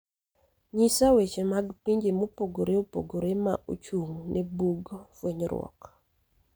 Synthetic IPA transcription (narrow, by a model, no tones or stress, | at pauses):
ɲisawet͡ʃemaɡpiɲd͡ʒemopoɡoɾeopo̰ɡoɾema̰ʔo̰t͡ʃuŋnebuɡfweɲɾwɔ̰k